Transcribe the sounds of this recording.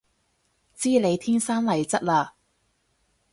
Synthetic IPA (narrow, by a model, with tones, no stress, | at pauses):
t͡siː˥le˨˧jt̪ʰiː˥nsaː˥nlɐ˨˩jt͡sɐ˥t̚laː˧